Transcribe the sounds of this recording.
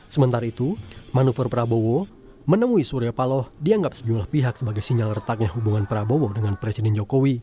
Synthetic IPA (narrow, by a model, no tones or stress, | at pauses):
səmənt̪aɾait̪umanufərpəɾabowɔ | mənəmuisuɾiapalɔhdiaŋɡap̚səd͡ʒumlahpiɦak̚səbaɡajsiɲalərət̪ak̚ɲahubuŋanpəɾabowodəŋanpɾesidɛnd͡ʒokowi